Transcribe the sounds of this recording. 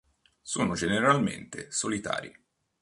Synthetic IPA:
soːnod͡ʒeneɾalmḛnt̪ḛsolit̪a̰ːɾḭ

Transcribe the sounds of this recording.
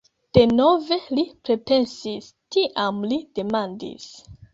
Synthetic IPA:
d̥e̞no̞ve̞lipɾe̞pe̞nsis | tiʔamlid̥e̞mandḭs

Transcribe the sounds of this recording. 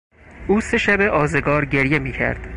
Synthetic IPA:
ʔuːse̞ʃæbe̞ʔɒːzeɡɒːɾɟe̞ɾje̞miːcʰæ̰ɾd̪̥

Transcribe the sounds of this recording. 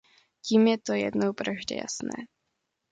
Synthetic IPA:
ciːmjɛt̪o̞jɛ̰dnowpɾoʒɟɛ̰ja̰snɛ̰ː

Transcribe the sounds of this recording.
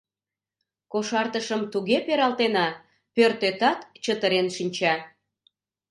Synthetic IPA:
koʃɑrt̪əʃəmt̪uɣepeɾɑlt̪enɑ | pørt̪et̪ɑt̪t͡ɕət̪əɾenʃinʲt͡ɕɑ

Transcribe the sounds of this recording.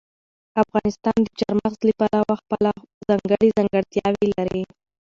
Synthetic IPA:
afɣɑnɪst̪ɑnd̪ət͡ʃaɾmaxzlipalawaxpəlazɑŋɡəɽizɑŋɡəɽt̪jɑwilaɾi

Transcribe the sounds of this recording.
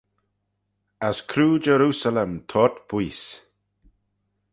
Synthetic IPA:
askʰɾuːd͡ʒɛɾuːsalɛmt̪ʰɔt̪b̥wiːs

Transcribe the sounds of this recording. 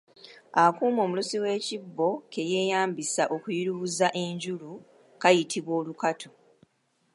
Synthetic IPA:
akuːmo̞ːmulosiwe̞ːcibːo̞ke̞je̞ːjaːmbisaʔo̞kujiɾuβuzaʔe̞ɲɟulu | kajitʰiβwo̞ːlukatʰo

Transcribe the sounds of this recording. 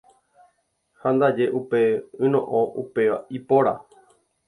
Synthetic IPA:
hãnd̪ad͡ʒe̞ʔupe̞ɨ̃nõ̰ʔõʔupe̞ʋa̰ipoɾa̰

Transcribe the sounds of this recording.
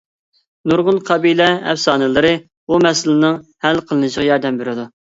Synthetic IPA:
nuɾʁʊnqʰɑbilɛɛ̰fsɑːnɨlˠɨɾɨ | bumɛsɪlɪnɨŋhælqʰəlˠɨnɨʃəʁɑjɑɾd̪ɛmbeɾɪd̪u

